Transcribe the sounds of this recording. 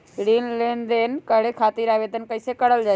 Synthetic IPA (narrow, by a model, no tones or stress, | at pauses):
ɾiːnleːnd̪enkɐɽekʰaːt̪iɾaːʋeːd̪ənkəɪsekɐɽəld͡ʒaː